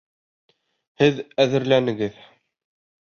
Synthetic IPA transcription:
hɘðæðɘ̆ɾlænɘ̆ɡɘð

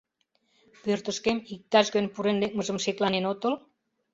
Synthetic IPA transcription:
pørt̪ə̆ʃkemik̚t̪ɑʃɣønʲpuɾenlek̚məʒə̆mʃeklɑnenot̪ə̆l

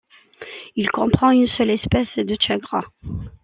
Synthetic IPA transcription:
ilkɔ̃pχɑ̃ynsœlɛspɛsd̪əʃaɡʁa

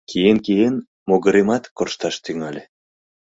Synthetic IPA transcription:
kijenkijen | moɣə̆ɾemɑt̪korʃt̪ɑʃt̪yŋɑlʲe

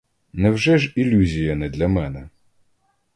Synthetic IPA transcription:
nɛwʒɛʒilʲuzʲijɐnɛd̪lʲɐmɛnɛ

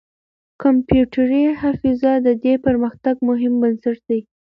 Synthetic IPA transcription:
kampjuʈaɾihafizɑd̪əd̪epəɾməxt̪aɡmʊɦɪmbənsaʈd̪aj

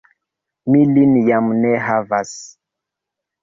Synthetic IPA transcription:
milinjamneɦavas

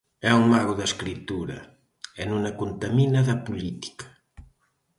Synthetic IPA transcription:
ɛuŋmaɣuðɐskɾit̪uɾɐ̰ | ɛnunɐkunt̪aminaðɐpulit̪i̥kḁ

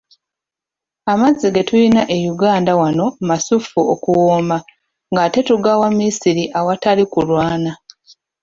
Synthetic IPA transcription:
amaziɡetujinaʔe̞juɡaːndawano̞masufuokuwoːma | ŋɡate̞tuɡawamːisiɾiʔawatalikulwaːna

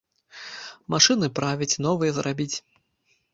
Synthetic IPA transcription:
maʂɨnɨpɾavʲɐt͡sʲnɔvɨjɛzɾʔabʲit͡sʲ

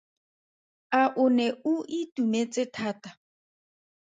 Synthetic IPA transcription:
aʔʊnɛʊʔitumet͡sʼɪtʰaːtḁ

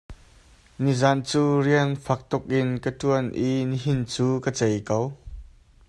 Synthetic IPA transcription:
nizant͡suːriənfɐk̚t̪ʊk̚ʔɪnkət̪uənʔiniɦint͡suːkət͡sɛjkow

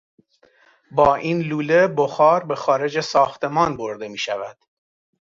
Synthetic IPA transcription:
bɒːʔiːnluːle̞boxɒːɾbe̞xɒːɾe̞d͡ʒesɒːxt̪ʰe̞mɒːnbo̞ɾd̪e̞miːʃævæd̪̥

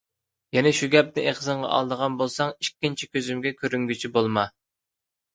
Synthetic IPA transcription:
jɛnɛʃuɡʲɛp̚nɪʔeχzɨɴʁɑ̰ʔɑ̰lˠd̪əʁɑnbolˠsɑŋikʲːint͡ʃʰikʲøzymɡʲɛkʲʰøɾyŋɡʲyt͡ʃʰibolˠmɑ

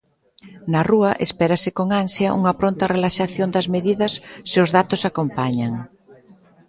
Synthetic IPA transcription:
nɐruɐʔespɛɾɐsɪkoŋansjɐʔṵŋɐpɾont̪ɐrelaʃaθjond̪ɐzmeðiðɐsːɪʊzðat̪ʊsakompaɲɐŋ

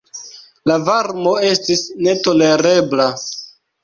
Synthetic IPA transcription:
lavaɾmo̞e̞stisne̞to̞le̞ɾe̞bla

